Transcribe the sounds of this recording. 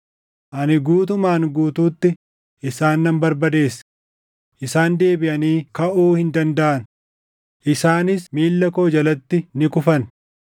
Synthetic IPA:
ʔɐnɪɡuːt̪̬ʊmaːŋɡuːt̪uːt̪ːɪ | ʔɪsaːnːɐmbɐɾbɐd̪e̞ːs | ʔɪsaːnd̪e̞ːbɪʔɐniːkɐʔuːhɪnd̪ɐnd̪ɐʔɐn | ʔɪsaːnɪsmiːlːɐkoːd͡ʒɐlɐt̪ːɪnɪkʊfɐn

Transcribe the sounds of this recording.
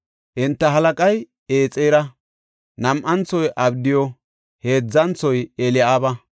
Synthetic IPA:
ʔɪnt̪ːɐɦɐlɐkʼɐj | eːt͡sʼːɛjɾɐ | nɐmʔɐnt͡sɔjʔɐbd̪ɪjɔ | heːd͡zːɐnt͡sːɔjɛlɪjaːbɐ

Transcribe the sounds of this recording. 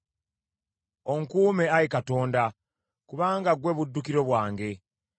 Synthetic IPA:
o̞ŋkuːmeaɾikato̞ːnda | kuβaːŋɡaɡwe̞ːβudːukiɾo̞βwaːŋɡe̞

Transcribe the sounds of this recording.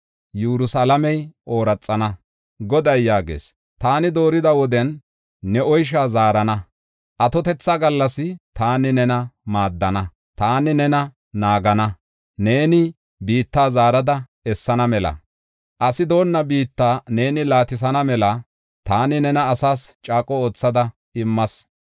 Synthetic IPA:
juɾʊsalɐmɛjʔo̞ːɾɐt͡sʼːɐnɐ | ɡɔd̪ɐjːaːɡḛːs | t̪aːnɪd̪o̞ːɾɪd̪ɐwɔd̪ɛnː | ɛʔɔjʃ̬aːzaːɾɐnɐ | ʔɐt̪ɔt̪ɛt͡sːaɡɐlːɐsɪt̪aːnɪnɛnɐmaːd̪ːɐnɐ | t̪aːnɪnɛnɐ | naːɡɐnɐ | ne̞ːnɪ | biːt̪ːaːzaːɾɐd̪ɐ | ɛsːɐnɐmɛlɐ̰ | ʔɐsɪd̪o̞ːnːɐbiːt̪ːaːne̞ːnɪlaːt̪ɪs̬ɐnɐmɛlɐ | t̪aːnɪnɛnɐːsaːst͡ʃʼaːkʼɔo̞ːt͡sːɐd̪ɐ | ɪmːɐs

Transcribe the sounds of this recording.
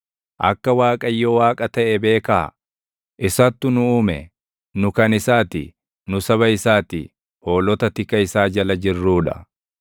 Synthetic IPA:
ʔɐ̰kːɐwaːkʼɐjːowaːkʼɐt̪ɐʔɛbe̞ːkɐː | ʔɪsɐt̪ːʊnʊuːmɛ | nʊkɐnɪsaːt̪ɪ̰ | nʊsɐβɐɪsaːt̪ɪ̰ | ho̞ːlɔt̪ɐt̪ɪkːɐɪsaːd͡ʒɐlɐd͡ʒɪrːuːᶑɐ

